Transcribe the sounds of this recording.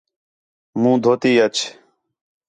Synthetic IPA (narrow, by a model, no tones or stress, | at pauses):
mũːd̪ʱoːt̪iːət͡ʃʰ